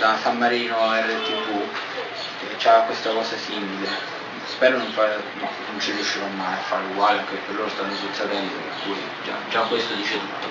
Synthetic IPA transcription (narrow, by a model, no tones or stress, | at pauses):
d̪asamːaɾiːnoɛɾad̪et̪ːipːu | et͡ʃakːwest̪akɔːsasimile | spɛːɾonoɱfaɾ | a̰nont͡ʃirjuʃːiɾɔmːajafːaɾuɡwaːleaŋkepːerloːɾost̪anːosusad̪ɛnd̪o̰ḛpːuːɾḭ | d͡ʒa̰d͡ʒakːwest̪od̪it͡ʃed̪ṵ